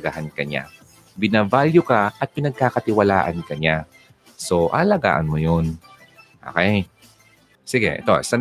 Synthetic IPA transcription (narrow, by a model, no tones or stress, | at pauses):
ɡa̰ːhɐnkɐɲa̰ | bɪnavaljʊkaʔɐt̪̚pɪnɐɡ̚kakɐt̪ɪwɐla̰ːʔɐnkɐɲa | soʔa̰lɐɡa̰ːʔɐnmʊjon | ʔo̰ːkɛj | siɡɛ̰ʔɛ̰t̪oʔɛsan